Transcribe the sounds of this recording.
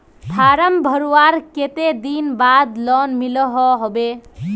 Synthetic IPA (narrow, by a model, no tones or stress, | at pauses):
t̪ʰaɾəmbʱəɾuwaɾket̪ed̪inbad̪lɔnmilɔɦɔɦobe